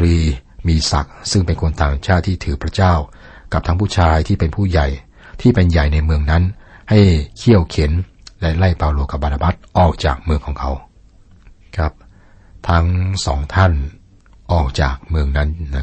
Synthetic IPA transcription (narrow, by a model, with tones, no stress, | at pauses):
ɾiː˧miː˧sa̰˨˩k̚sɯ˥˩ŋpe˧nkʰo˧nt̪aː˨˩ŋt͡ɕʰaː˥˩t̪ʰːiː˥˩t̪ʰɯː˩˦pʰɾa˦˥t͡ɕaː˥˩w | ka˨˩p̪̚ʰa˦˥ŋpʰuː˥˩t͡ɕʰaː˧jt̪ʰiː˥˩pe˧npʰuː˥˩ja˨˩j | t̪ʰiː˥˩pe˧nja˨˩jna˧jmɯ˧əŋna˦˥nha˥˩jkʰi˥˩əwkʰe˩˦n | lɛ˦˥la˥˩jpaː˧wloː˧ka˨˩bːa˧naː˧ba˦˥t̪̚ʔɔː˨˩k̚t͡ɕaː˨˩k̚mɯ˧əŋkʰɔː˩˦ŋkʰa˩˦˥w | kʰɾa˦˥p̚ | t̪ʰa˦˥ŋsɔ̰ː˩˦ŋt̪ʰa˥˩n | ʔɔː˨˩k̚t͡ɕaː˨˩k̚mɯ˧əŋna˦˥nn˦